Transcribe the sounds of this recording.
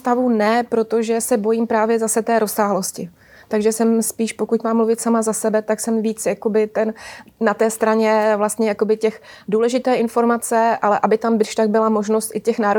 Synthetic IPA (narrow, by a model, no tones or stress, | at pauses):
t̪avunɛpɾo̞t̪o̞ʒɛsɛbo̞jiːmpɾaːvjɛzasɛt̪ɛːɾo̞saːɦlo̞scɪ | t̪aɡʒɛsɛmspiːʃpo̞kucmaːmːluvɪt̪samazasɛbɛt̪aksɛmviːt͡sjako̞bɪt̪ɛnnat̪ɛːst̪ɾaɲɛvlast̪ɲɛjako̞bɪcɛxduːlɛʒɪt̪ɛːʔɪnfo̞ɾmat͡sɛʔalɛʔabɪt̪ambɪʃt̪aɡ̚bɪlamo̞ʒno̞st̪ʔɪcɛxnaːɾo